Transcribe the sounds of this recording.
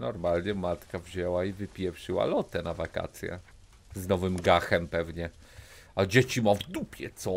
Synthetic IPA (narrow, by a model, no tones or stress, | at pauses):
nɔɾmalɲɛmat̪kavʑɛwaivɘpʲjɛfʂɘwa̰lɔt̪ɛnavaka̰t̪sʲjɛ̰ | znɔvɘmɡaxɛmpɛvɲɛ | ad͡ʑet͡ɕimɔvd̪upʲjɛt̪sɔ